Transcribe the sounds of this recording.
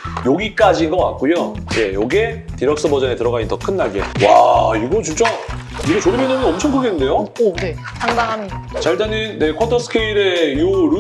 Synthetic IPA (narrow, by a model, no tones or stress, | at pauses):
joɡik͈ad͡ʑinɡʌk͈a̰t̚k͈ujoje̞̰joɡe̞tiɾʌk̚s͈ɯbʌd͡ʑʌne̞tɯɾʌɡaɲint͈ʌkʰɯnːaɭɡiḛwaiɡʌt͡ɕimt͡ɕ͈a | iɡʌt͡ɕoɾimjʌnɯnɯnʌmt͡ɕʰʌŋkʰɯɡenɯnde̞jone | tʰaŋdaŋɦamiat͡ɕaɭtaniːe̞kʰwʌtʰʌsʰɯ̥kʰeiɾe̞iuɾu